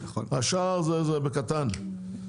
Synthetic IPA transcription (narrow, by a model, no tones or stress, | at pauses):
aʃaʁzɛzɛbekat̪an